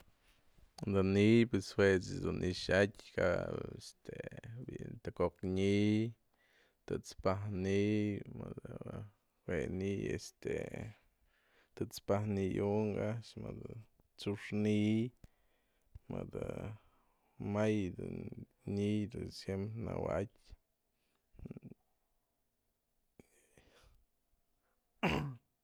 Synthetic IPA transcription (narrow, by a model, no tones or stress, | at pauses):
d̪anipweswesesd̪unʔiʃatʲka̰est̪ebḭʔnt̪akokɲij | t̪ɨt͡spahnimɨd̪a | wenijḛst̪ḛ | t̪ɨt͡spahnijuŋɡaʃmad̪a | t͡suʂnij | mad̪a | majd̪ɨ | nid̪ɨsjempɾena̰watʲ